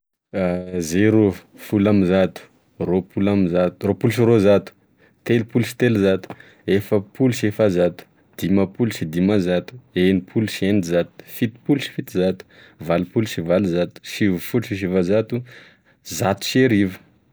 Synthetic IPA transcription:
azeɾu | fulamizat̪u̥ | ropulamizat̪uropulʃ̬irozat̪u̥ | t̪elipuluʃi̥t̪elizat̪u̥ | efəpʰuluʃefazat̪u̥ | d̪̥imapuluʃid̪imazat̪u̥enipʰuluʃienizat̪u̥fit̪i̥puluʃi̥fit̪izat̪u̥ | valipuluʃivalizat̪u̥ʃivufuʈ͡ʂiʃ̬ivazat̪u | zat̪u̥ʃeɾivə̥

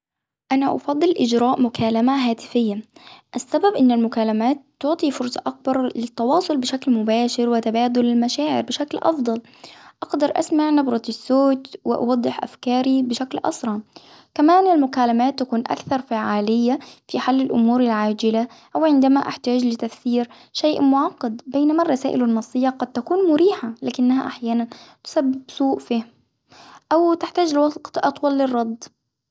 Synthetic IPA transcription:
ʔanaʔɑ̰fɑd̪ˤːɨlʔɪd͡ʒɾaːʔmʊkʰaːlamaɦaːt̪ɪ̥fɪjːaʔasːababʔɪnːalmʊkaːlamaːt̪ːʊʕt̪ˤifʊɾsˤɑʔak̚bɑɾˤlɪt̪ːɑwɑːsˤʊlbɪʃaklmʊbaːʃɪɾwɪt̪abaːd̪ʊlɪlmaʃaːʕɪ̰ɾbɪʃaklʔɑ̰fd̪ˤɑl | ʔɑɡd̪ɑɾˤʔa̰smaʕnɑbɾˤɑt̪ɪsːoːt̪wɪ̰ʔɑ̰wɑd̪ˤːɪħʔa̰fkɑːɾibɪʃaklʔɑ̰sˤɾˤɑ | kamaːnɪlmʊkaːlamaːt̪ːakuːnʔa̰kθɑɾˤfaʕaːlɪjːafiħalːɪlʔʊmuːɾalʕaːd͡ʒɪla | ʔawʕɪnd̪amaʔaħt̪aːd͡ʒlɪt̪afθiːɾ | ʃaːʔmʊʕɑqːɑd̪beːnamarˤːɑsaːʔɪlanːɑsˤːɨjːaqɑd̪̚t̪akuːnmʊɾiːħalaːkɪnːaha̰ʔaħjaːnant̪ʊ̥sabːɪbsuːʔfah | ʔawt̪ɪħt̪aːd͡ʒlɪwɑɡt̪ʔɑt̪ˤwɑlːɪrˤːɑd̪ˤ

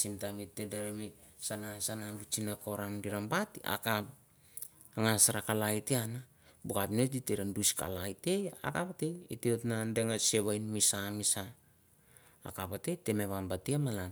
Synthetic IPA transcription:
simtamitːedeɾemisanasanabit͡ʃinakoɾandiɾambatia̰kap | aŋasaɾakalaiteana | bukapinoditeɾanduska̰lajteja̰kapateiteotnandeŋaseβajnmisamisa | kapate̞temeβambatiamalan

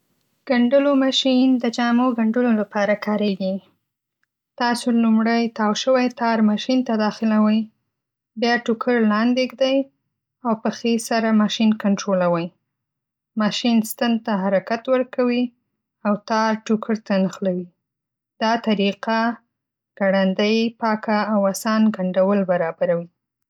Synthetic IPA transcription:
ɡ̥aɳɖəlomɑʃind̪əd͡ʒɑmoɡaɳɖəlolapɑɾakɑɾeɡi | t̪ɑsolumɽəjt̪ɑwʃəwajt̪ɑɾmɑʃint̪ad̪ɑxɪlawəj | bjɑʈukʰəɾlɑnd̪eɡd̪aj | awpəxesaɾamɑʃinkaɳʈɾolawəj | mɑʃinst̪and̪̚t̪aɦaɾakat̪wəɾkawi | awt̪ɑɾʈukʰəɾt̪anəxlawi | d̪̥ɑt̪aɾiqa | ɡ̥aɽand̪əjpɑkaːwasɑnɡaɳɖawəlbaɾɑbaɾawi

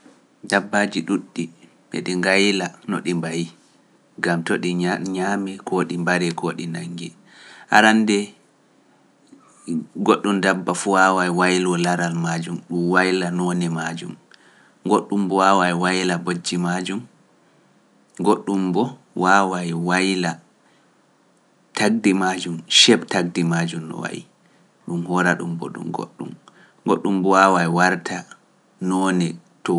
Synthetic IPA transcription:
dabːad͡ʒiɗuɗːi | ɓɛ̰ɗiŋɡajlanɔɗimbaji | ɡamtoɗiɲaːmɛkʰoɗimbaɾɛkoːɗinaŋɡɛ | ha̰ɾandɛ | ɡoɗːumdabːafuwawajwajlwɔlaɾalmad͡ʒumɗumwajlanɔnɛmad͡ʒum | ɡoɗːumbɔwawajwajlabod͡ʒːimad͡ʒum | ɡoɗːumbɔ | wawajiwajla | tʰaɡ̚dimad͡ʒumʃɛɓtaɡ̚dimad͡ʒumnɔ̰wa̰jḭ | ɗumhɔɾaɗṵmbɔ̰ɗṵmɡo̰ɗːṵm | ɡoɗːumbɔwawajwaɾtʰa | nɔnɛ | tɔ

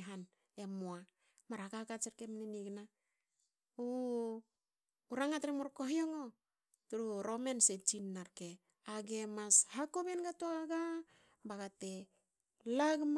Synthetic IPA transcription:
ɦan | emoa | maɾakakat͡ʃeɾkemniniɡna | u | uɾaŋatɾemoɾkoɦioŋo | tuɾuɾomenset͡ʃinːaɾke | aɡemashakobenɡatoaɡa | baɡate | laɡm

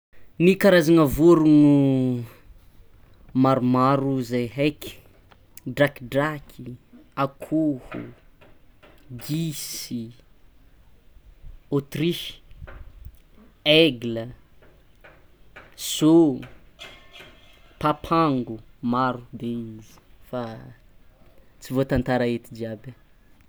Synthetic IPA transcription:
nikaɾazaŋəvuɾunu | maɾumaɾuzajɦajki̥ | ɖ͡ʐakiɖ͡ʐakʰiakʰuhṵ | ɡisi | ot̪ri | ɛɡlə | so | papʰaŋɡumaɾud̪eizi̥fa | t͡sivot̪ant̪aɾaet̪id͡ʒiabə

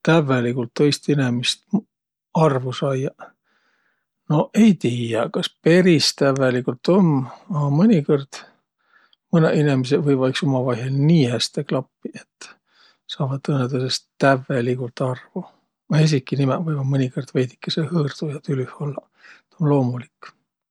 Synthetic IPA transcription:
t̪ævːelikult̪ːo̞jst̪inemist̪ | ɑrvusɑjɑ | no̞ʔe̞jt̪iːjɑkɑspe̞ɾist̪ævːelikult̪o̞mɑmɤnʲiko̞rd̪̥ | mɤnḛʔinemis̬evɤjɑjksomɑvɑjɦelniːhæst̪eklɑpːiʔet̪ː | sɑːvɑt̪ːɤnːet̪usest̪ævːelikult̪ˑɑrvu | ɑes̬ikːˑinimɛvɤjmɑmɤnʲikord̪̥vejd̪i̥kːesehɯːrd̪̥ujɑt̪ylyholːɑ | t̪onlo̞ːmulikːˑ

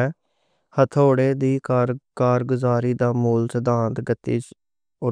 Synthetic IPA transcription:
hət̪ʰoːɽeːd̪iːkkaːɾɡʊzaːɾiːd̪aːmuːlsəd̪ãːnt̪ɡət̪ːḭːt͡ʃ | ʊ

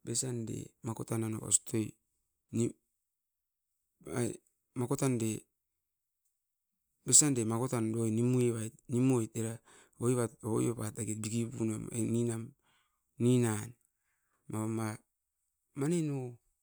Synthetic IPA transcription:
besandḛmakotanano̰βa̰stoj | ni | a | makotande | besandemakotandojnimueβajt̚nimojt̚eɾa | ojβatoojoβataɡet̚biɡiβunaeninam | ninan | maama | maneno

